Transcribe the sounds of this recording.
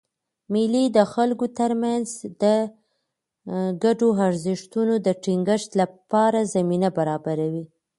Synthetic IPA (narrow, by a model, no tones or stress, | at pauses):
milid̪əxalɡot̪əɾmanzd̪ə | ɡaɖoaɾzɪʂt̪unod̪əʈiŋɡəʃt̪lapɑɾazaminabaɾɑbaɾawi